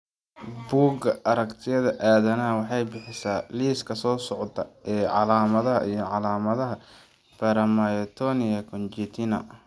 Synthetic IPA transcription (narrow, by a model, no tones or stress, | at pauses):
buːɡɐʔɐɾɐkt̪ʰɪjɐðɐʔaːðɐnɐɐwɑħɑjbɪħɪsaːliːskʰɐsɔːsɔʕt̪ɐʔɛːʕɑ̰laːmɐðɐɦɐ̰ʔijɔʕɑlaːmɐðɐɦɐ | b̥ɐɾɐmɐjt̪ʰɔnɪjɐkʰɔnt͡ʃit̪ʰinɐ̰